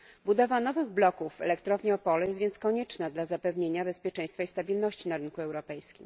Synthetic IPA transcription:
bud̪ɔvanɔvɘɣblɔkuvːɛ̰lɛkt̪ɾɔvɲɛɔpɔlɛjɛst̪vʲjɛnt̪skɔɲɛt͡ʂnad̪lazapɛvɲeɲabɛspʲjɛt͡ʂɛj̃st̪faist̪abʲilnɔɕt͡ɕinaɾɘnkuɛwɾɔpɛjskʲim

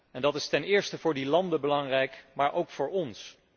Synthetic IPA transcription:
ɛndɑtɪstɛnɪːɹstəvʊːɹdilɑndəbəlɑŋrɛjkmaːɹʔowkfʊːɹɔns

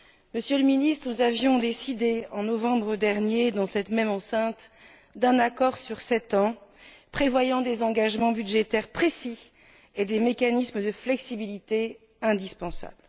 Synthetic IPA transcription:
məsjələminist̪χnuzavjɔ̃d̪esid̪eɑ̃nɔvɑ̃bʁəd̪ɛʁnjed̪ɑ̃sɛt̪mɛmɑ̃sɛ̃t̪ | d̪ɛ̃nakɔʁsyʁsɛt̪ɑ̃ | pχevwajɑ̃d̪ezɑ̃ɡaʒmɑ̃byd̪ʒet̪ɛʁpχesi | ed̪emekanisməd̪əflɛksibilit̪e | ɛ̃d̪ispɑ̃sa̰bl

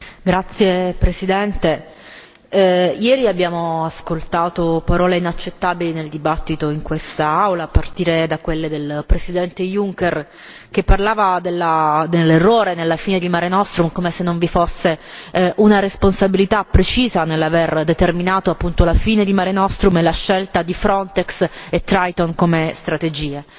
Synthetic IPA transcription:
ɡɾat̪sːjepɾesid̪ɛnt̪e | jɛːɾiabjaːmoaskolt̪aːt̪opaɾɔːleinat͡ʃːet̪ːabilineld̪ibat̪ːit̪oiŋkwest̪aawlaːpːart̪iːɾed̪akwelːed̪elpɾesid̪ɛnt̪ejuŋker | k̟epːarlaːvad̪elːad̪elːerːoːɾenelːafiːned̪ilmaːɾenɔst̪ɾumkomesenːoɱvifosːeʔunaɾesponsabilit̪apːɾet͡ʃiːzanelːaverd̪et̪erminaːt̪oapːunt̪olafiːned̪imaːɾenɔst̪ɾumelːaʃːelt̪ad̪ifɾɔnt̪ɛkset̪ːɾajt̪onkomest̪ɾat̪ed͡ʒiːe

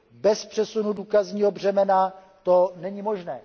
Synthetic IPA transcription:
bɛspr̥ɛsunuduːkazɲiːɦo̞br̝ɛmɛna | t̪onɛɲimo̞ʒnɛː

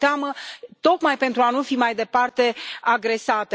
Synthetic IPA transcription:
t̪eamət̪o̞kmajpe̞nt̪ɾuanufimajd̪e̞part̪e̞aɡɾe̞sat̪e

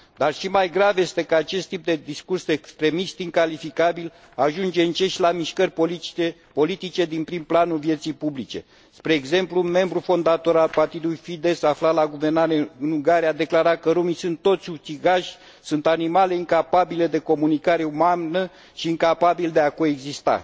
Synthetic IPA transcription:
d̪arʃimajɡɾavje̞st̪e̞kəat͡ʃe̞st̪ːip̚d̪e̞d̪iskursekst̪ɾe̞mist̪iŋkalifikabil | aʒund͡ʒe̞ɨnt͡ʃe̞ʃlamiʃkərʲ | po̞lit̪it͡ʃe̞d̪inpɾimplanulvje̞t̪sijpublit͡ʃe̞̰ | spɾe̞ːɡze̞mplume̞mbɾufo̞nd̪at̪o̞ɾalpart̪id̪ulujfid̪e̞saflalaɡuve̞rnaɾeɨnuŋɡaɾiad̪e̞klaɾat̪̚kəɾumisunt̪ːo̞t̪sʲut͡ʃiɡaʃʲ | sunt̪animale̞iŋkapabile̞d̪e̞ko̞munikaɾe̞umanə | ʃiːŋkapabild̪e̞ako̞eɡzist̪a̰

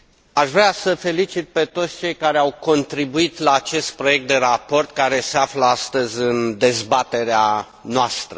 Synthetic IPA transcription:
aʃvɾeasəfe̞lit͡ʃit̪̚pe̞t̪ot̪sʲt͡ʃe̞jkaɾeawko̞nt̪ɾibuit̪laːt͡ʃe̞st̪̚pɾo̞je̞k̚t̪̚d̪e̞ɾapo̞rt̪kaɾe̞seafləast̪əzʲɨnd̪e̞zbat̪e̞ɾea | noast̪ɾə

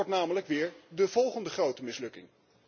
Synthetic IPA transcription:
ɹtnaːmələkʋɪːɹdəvɔlˠχəndəχrowtəmɪslɵkɪ̰ŋ

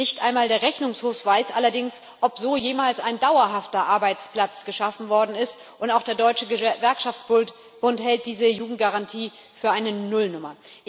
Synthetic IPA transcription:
nɪçtʔaɪnmaːldeːɐʁɛçnʊŋshoːfv̥aɪsʔalɐdɪŋs | ʔɔpz̥oːjeːmaːlsaɪndaʊɐɦaftɐʔaɐbaɪt͡spl̥at͡sɡ̥əʃafn̩vɔɐdn̩ɪst | ʔʊntaʊxd̥eːɐdɔʏt͡ʃəəvɛɐkʃaft͡sb̥ʊ | b̥ʊnthɛlt̚d̥iːzəjuːɡŋ̩tɡ̥aʁantʰiː | fyːɐʔaɪnənʊlnʊmɐ

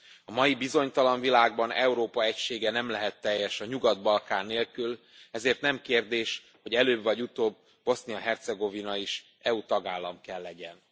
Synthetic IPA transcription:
ɒmɒjibizo̞ɲt̪ɒlɒnvilaːɡ̚bɒnɛuɾoːpɒɛcʃeːɡɛnɛmlɛɦɛt̪ːɛjːɛʃɒɲuɡɒd̪bɒlkaːnːeːlkyl | ɛzeːrt̪nɛmkeːrd̪eːʃ | ho̞ɟɛløːbvɒɟut̪oːbː | o̞sniɒɦɛrt̪sɛɡo̞vinɒiʃ | ɛut̪ɒɡaːlːɒmkɛlːɛɟɛn

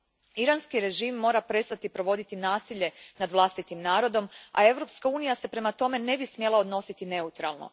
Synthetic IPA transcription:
iɾanskiɾe̞ʒiːmːo̞ːɾapɾe̞st̪at̪ipɾo̞ʋo̞d̪it̪inaːsiʎe̞nad̪ʋlˠast̪it̪imnaːɾo̞d̪o̞ma̰e̞ʋɾo̞pskauːnijase̞pɾe̞mat̪o̞me̞ne̞bismje̞lˠao̞d̪no̞sit̪ine̞ut̪ɾalˠno̞̰

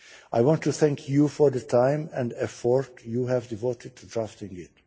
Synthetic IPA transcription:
ʔajwɔ̃ntːuθɛ̃ŋkʰjufɔɹd̪ətʰãɪ̃mɛ̃ndɛfɔɹtjuɦævdivoːtɪd̚tʰudɹaftɪ̃ŋɪt

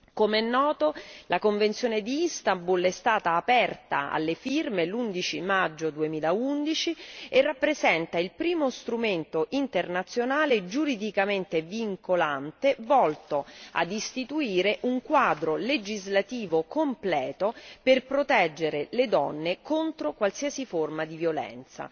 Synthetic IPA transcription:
komeɛnːɔːt̪olʔakoɱvent̪sjoːned̪iist̪ambulɛst̪aːt̪aːpɛrt̪a̰a̰lːefirmelund̪it͡ʃimad͡ʒːod̪uemiːlaund̪it͡ʃierːapːɾezɛnt̪ailpɾiːmost̪ɾument̪oʔint̪ernat̪sːjonaːled͡ʒuɾid̪ikament̪eviŋkolant̪evɔlt̪oa̰d̪ist̪it̪uiːɾeʔuŋkwaːd̪ɾoled͡ʒizlat̪iːvokomplɛːt̪operpɾot̪ɛd͡ʒːeɾeled̪ɔnːekont̪ɾokwalsiːasiformad̪ivjolɛ̰nt̪sa̰

